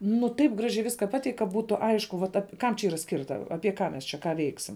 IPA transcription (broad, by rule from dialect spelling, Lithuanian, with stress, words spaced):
nʊ tɐɪp ˈɡrɑːʒʲɛɪ ˈʋʲɪskɐ ˈpɑːtʲɛɪkʲ kɐ ˈbuːtʊ ˈɐɪʃkʊ ʋɐt ɐp kɐm t͡ʃʲɛ ˈiːrɐ ˈsʲkʲɪrtɐ ˈɑːpʲiɛ ˈkɑː mʲɛs ˈt͡ʃʲɛ kɑː ˈʋʲɛɪksʲɪm